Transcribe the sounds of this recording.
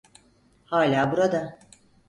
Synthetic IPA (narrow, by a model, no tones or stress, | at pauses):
haːlʲaːbuɾad̪a